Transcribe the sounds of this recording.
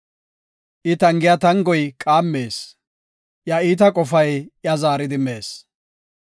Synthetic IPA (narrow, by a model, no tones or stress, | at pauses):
ʔɪt̪ɐŋɡɪjat̪ɐŋɡɔjkʼaːmːeːs | ʔjɐiːt̪̬ɐkʼɔfɐjʔjɐzaːɾɪd̪ɪmeːs